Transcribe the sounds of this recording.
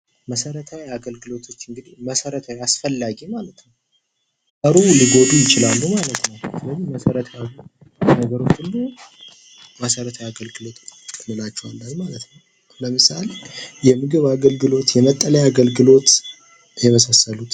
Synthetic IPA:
məsəɾət̪ʰawiaɡəlɡɨlo̞t̪ʰo̞t͡ʃːɨŋɡɨd̪iməsəɾət̪ʰawiasfəlːaɡimalət̪nəw | kʼəɾuliɡo̞d̪ujɪt͡ʃɪlalːumalət̪nəwsɨləzihməsəɾət̪ʰəja | nəɡəɾo̞t͡ʃːɨlːu | məsəɾət̪ʰajaɡəlɡɨlo̞t̪ʰɨnːɨlat͡ʃːɛwalːəɲmalət̪nəw | ləmɨsale̞jɛmɨɡɨβaɡəlɡɨlo̞t̪jɛmət̪ʼːələjaɡəlɡɨlo̞t̪ | jɛməsasəlut̪

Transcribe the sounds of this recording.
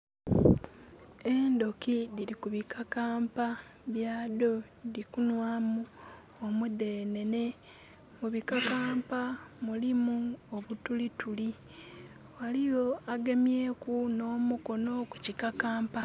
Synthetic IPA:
e̞ndo̞kidiɾikuβikʰakaːmpa | βjaːdo̞ | dikunwaːmu | omude̞ne̞ne̞ | muβikakaːmpamulimuoβutulituli | walijo̞aɡe̞mje̞ːkuno̞ːmuko̞no̞ku̥cikakaːmpa

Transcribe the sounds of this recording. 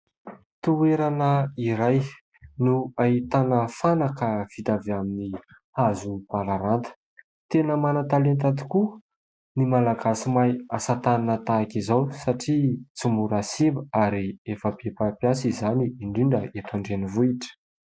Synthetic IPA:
t̪ueɾanəiɾaj | nuait̪anəfanakəv̥it̪aveamini | hazub̥alaɾant̪ə̥ | t̪enəmanat̪alent̪at̪i̥ku | nimalaɡasimajasat̪ananət̪aːkizawsaʈ͡ʂit͡sumuɾasimbəaɾiefəb̥epapjasizaniːɳɖ͡ʐiɳɖ͡ʐəet̪aɳɖ͡ʐenivuiʈ͡ʂə̥

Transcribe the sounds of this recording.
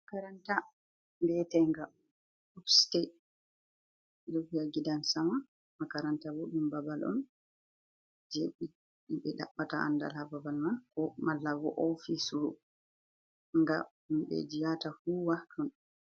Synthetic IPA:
kaɾanta | mbɛtɛŋɡa | upstɛ | jofijaɡidansama | makaɾantawoɗumbabalɔ̰n | d͡ʒeɓi | iɓɛɗa̰ɓːataa̰nda̰lhababalmankɔmalːaɡɔ̰ʔɔfisuu | ŋɡa̰ | umɓɛ̰d͡ʒijatafuwahtʰɔn

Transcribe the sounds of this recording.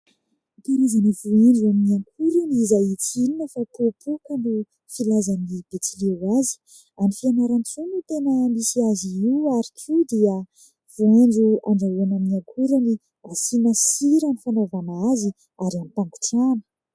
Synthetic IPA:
p̪eɾezanivueɳɖ͡ʐuamiaŋkʰuɾaniizajit͡sininəfapupʰukanɖ͡ʐu | filazanib̥et͡silewazi̥ | anifianaɾant͡sunut̪enəmisiaziiuaɾikʰud̪iə | v̥uenɖ͡ʐua̰ɳɖ͡ʐauanamiaŋkʰuɾani | asinasiɾanifanovanazi | aɾamip̪aŋɡu̥ʈ͡ʂanə̥

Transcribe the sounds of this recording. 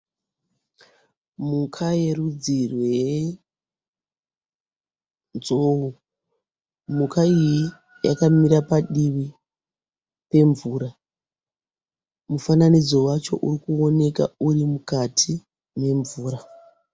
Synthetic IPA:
mukʰajerud͡zirwej | nzou | mukaiji | ja̰kamiɾapaɗiʋi | pe̞ɱvuːɾa | mufananid͡zo̞wat͡ʃo̞̰ʔurikuo̞ne̞ka̰uɾimukatʰi | ne̞ɱvuːɾa

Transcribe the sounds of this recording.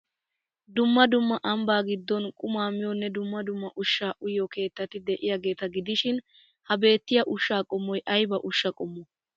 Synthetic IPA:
d̪ʊmːɐd̪ʊmːɐʔɐmbaːɡɪd̪ːɔnkʼʊmaːmɪjɔnːɛd̪ʊmːɐd̪ʊmːɐʔʊʃːaːʔʊjɔke̞ːt̪ːɐt̪ɪd̪ɛʔɪjaːɡe̞ːt̪ɐɡɪd̪ɪʃɪn | hɐbe̞ːt̪ːɪjɐʔʊʃːaːkʼɔmːɔjʔɐjbɐʔʊʃːɐkʼɔmːɔ

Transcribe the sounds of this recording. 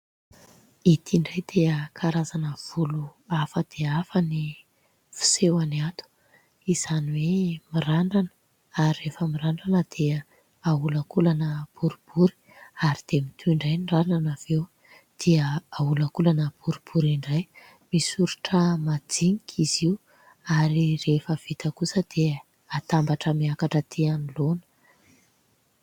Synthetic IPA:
it̪ʰiɳɖ͡ʐajd̪̥eəkʰaɾazanəv̥uluafəd̪̥eafəni | fi̥sewaniat̪u̥ | iz̥aniwemiraɳɖ͡ʐanə̥ | aɾirefəmiraɳɖ͡ʐanəd̪̥eə | aulakulanəb̥uɾib̥uɾi̥ | aɾid̪̥emit̪ʰuiɳɖ͡ʐajnrananav̥ew | d̪̥eəaulakulanəb̥uɾib̥uɾiɳɖ͡ʐaj | misuɾuʈ͡ʂəmad͡ziŋikʰiziu | aɾirefəv̥it̪əkusəd̪̥e | at̪ambaʈ͡ʂəmiakaʈ͡ʂət̪ʰeanilonə̥

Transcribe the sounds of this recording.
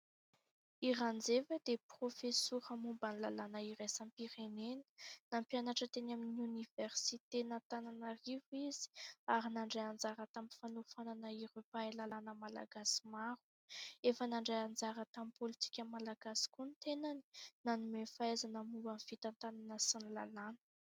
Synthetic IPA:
iɾand͡zevəd̪̥eprofesuɾəmumbanlalanəiɾejsampiɾenenə̥nampjanaʈ͡ʂət̪enaminuniveɾsit̪enant̪ananərivuiz̥i̥aɾinaɳɖ͡ʐaand͡zaɾat̪amifanufananəiɾepaelalanəmala̰ɡasi̥maɾu̥ | efənaɳɖ͡ʐajand͡zaɾat̪amipolit̪i̥kʲəmalaɡasi̥kunt̪enani̥nanumefaezanəmuvanvit̪ant̪ananəsanila̰lanə̥

